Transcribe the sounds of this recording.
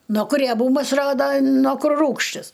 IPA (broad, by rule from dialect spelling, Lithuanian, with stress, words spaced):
noː kʊr rʲiɛˈbuːmɐs ˈroːdoː noː ˈkʊr ˈruːkʃʲtʲɪs